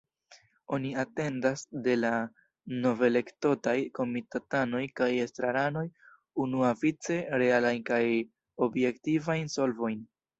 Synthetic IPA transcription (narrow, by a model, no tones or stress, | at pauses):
o̞niate̞ndasde̞la | no̞ve̞le̞kto̞tajko̞mitatano̞jkajestɾaɾano̞j | unuavit͡se̞ɾe̞alajnkaj | o̞bje̞ktivajnso̞lvo̞jn